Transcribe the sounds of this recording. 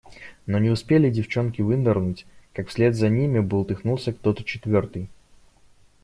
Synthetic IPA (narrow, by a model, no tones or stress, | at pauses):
no̞nʲɪʊspʲelʲɪdʲɪft͡ɕo̞nkʲɪvɨnd̪ərnutʲkakfsʲlʲe̞d̪zɐnʲimʲɪbɨlˠt̪ʲɪxnulˠsʲəkt̪o̞t̪ə̥t͡ɕɪt̪vʲo̞rt̪ɨj